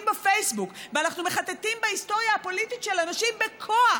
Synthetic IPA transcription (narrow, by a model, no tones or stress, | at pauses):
mbefejsbukveanaχnumeχat̪etimbahisto̞ʁjahapo̞lititʃelenaʃimbekʰoa